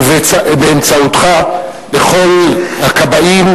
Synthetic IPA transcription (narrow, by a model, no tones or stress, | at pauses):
beːmt͡saut̪χa | beχo̞lhakabaim